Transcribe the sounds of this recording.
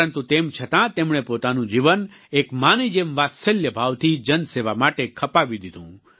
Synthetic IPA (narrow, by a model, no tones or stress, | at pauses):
ənt̪ut̪emt͡ʃʰət̪ãt̪emɳepot̪anũd͡ʒiʋən | ekmanid͡ʒemʋasəljəbʱaʋt̪ʰid͡ʒənseʋamaʈekʰəpaʋid̪id̪ʱṵ̃